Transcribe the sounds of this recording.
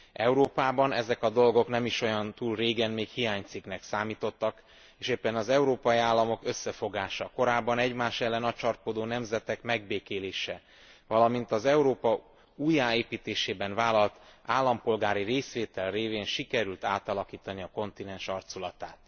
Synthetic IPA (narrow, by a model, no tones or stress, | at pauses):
ɛuɾoːpaːbɒnɛzɛkɒd̪o̞lɡo̞knɛmiʃo̞jɒnt̪uːlreːɡɛnmeːkhijaːɲt̪siknɛksaːmiːt̪o̞t̪ːɒk | eːʃeːpːɛnɒzɛuɾoːpɒjiaːlːɒmo̞kø̞sːɛfo̞ɡaːʃɒko̞ɾaːbːɒnɛɟmaːʃɛlːɛnɒt͡ʃɒrkod̪oːnɛmzɛt̪ɛkmɛɡ̚beːkeːleːʃɛ | vɒlɒmint̪ɒzɛuɾoːpɒ | uːjaːeːpiːt̪eːʃeːbɛnvaːlɒlt̪aːlːɒmpo̞lɡaːɾireːsʋeːt̪ɛlreːveːnʃikɛɾylt̪aːt̪ɒlɒkiːt̪ɒniɒko̞nt̪inɛnʃɒrt̪sulɒt̪aːt̪